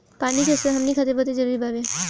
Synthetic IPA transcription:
paːnikesəɦɐmnikʰat̪eɾbət̪ed͡ʒəɾuːɾibaːbeː

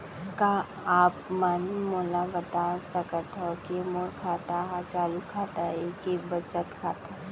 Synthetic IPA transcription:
ka | aːpmanmoːlabɐt̪asəkət̪ɦokimoːɾkʰaːt̪aɦat͡ʃaːlukʰaːt̪aɦɛkibɐt͡ʃət̪kʰaːt̪a

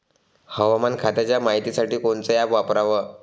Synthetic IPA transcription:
həʋamankʰat̪jat͡ɕjamaɦit̪isaʈiːkoɳt͡səjapʋapɾaʋə

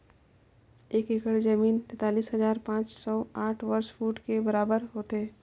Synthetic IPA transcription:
eːkeːkəɽd͡ʒəmiːnt̪ɛ̃ːt̪aːliːsɦɐzaːɾpãːt͡ʃsɔːaːʈʰʋəɾʃfuːʈkebɐɾaːbəɾɦoːt̪eː

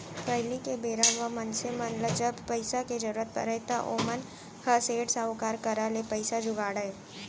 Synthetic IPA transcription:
pʰɾəɪlikebeːɾaʋəmənsemɐnləd͡ʒəbpəɪsaked͡ʒɐɾuɾət̪̚pə̰ɾəɦt̪aʔo̰ːmən | hɐseːʈsaʊkaːɾkɐɾalepəɪsad͡ʒʊɡaːɽae

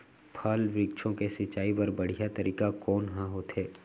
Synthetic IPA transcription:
pʰaːlʋɾikʃʰõkesɪt͡ʃːaːipɐɾbɐɽ̤ijat̪ɐɾiːkakɔːnɦãɦoːt̪eː

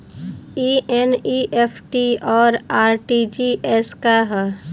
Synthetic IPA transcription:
ieniʔepʰʈiɔːɾaːɾʈid͡ʒiʔeskaɦɛ

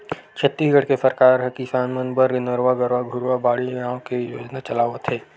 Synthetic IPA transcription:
t͡ʃʰɐt̪ːiːsɡʱɐɽkesɐɾkaːɾɦɐkisaːnmənbəɾɡnəɾʋaɡəɾʋaɡʱʊɾʋabaːɽiaːõkejo̰ːd͡ʒnat͡ʃɐlaːʋət̪ɦɛː

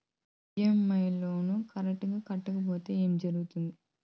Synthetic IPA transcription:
iemɐjlo̞ːnukɐɾek̚ʈɐɡaːkɐʈːɐkɐp̬o̞ːt̪e̞ːeːmid͡ʒɐɾuɡut̪und̪i

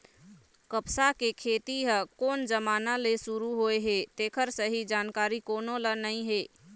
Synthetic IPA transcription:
kəpsakekʰet̪iɦəkoːnd͡ʒəmaːnalesuɾuɦoeɦet̪ekʰəɾsəɦid͡ʒankaɾikoːnolənəĩɦe

